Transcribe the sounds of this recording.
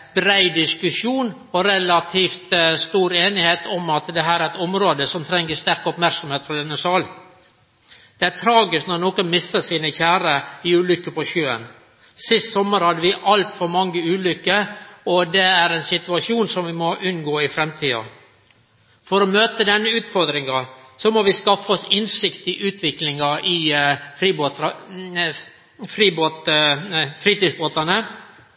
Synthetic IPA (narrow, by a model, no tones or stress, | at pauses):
bɾæɪd̪ɪskʉʂuːn | ɔɾɛlɑt̪ʰiːft̪st̪uːɾeːnɪheːt̪ʰɔmɑt̪d̪ɛɦæːɾæɛt̪ɔmɾoːd̪əsɔmt̪ʰɾɛŋːəst̪æɾkɔpmæɾksɔmheːt̪fɾɑd̪ɛnːəsɑːl | d̪̥ɛæɾt̪ʰɾɑːɡɪsknɔɾnoːkɔnmɪsːəsiːnəçæːɾəɪʉːlʏkːəpɔɕøːə̰n | sɪst̪sɔmːəɾhɑd̪ːəʋɪʔɑlt̪fɔɾmɑŋːəʉːlʏkːəɔd̪ɛæɾɛnsɪt̪ʉɑʂuːnsɔmʋɪmɔʔʉnɡoːɪfɾɛmt̪ʰiːɑ̰ | fɔɾɔmøːt̪əd̪ɛnːəʉːt̪fɔɾd̪ɾɪŋɑsɔmɔʋɪskɑfɔsɪnsɪkt̪ɪʔʉːt̪ʰʋɪklɪŋɑʔɪfɾiːboːt̪ɑ | fɾiːboːt̪ | fɾiːt̪isboːt̪ɑnə